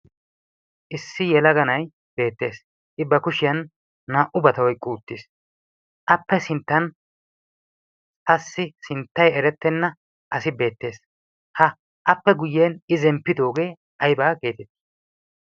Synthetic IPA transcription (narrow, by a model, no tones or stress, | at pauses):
ʔɪsːɪjɛlɐɡɐnɐj | b̥e̞ːt̪ːe̞ːs | ʔɪbːɐkʊʃɪjɐnː | aːʔʊbɐt̪ɐwɔjkʼːuːt̪ːis | ʔɐpːɛsɪnt̪ːɐn | ɐsːɪsɪnt̪ːɐjɛɾɛt̪ːɛnːɐ | ʔɐsɪbe̞ːt̪ːe̞ːs | hɐ | ʔɐpːɛɡʊjːeːnɪzɛmpːɪd̪o̞ːɡe̞ː | ɐjbaːɡe̞ːt̪ɛt̪ːi̥